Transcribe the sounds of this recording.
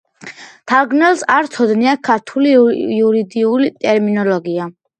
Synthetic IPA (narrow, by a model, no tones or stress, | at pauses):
t̪ʰalˠɡnɛlˠsaɾt̪sʰɔd̪niakʰaɾt̪ʰuliuɾid̪iulit̪ʼɛɾminɔlɔɡia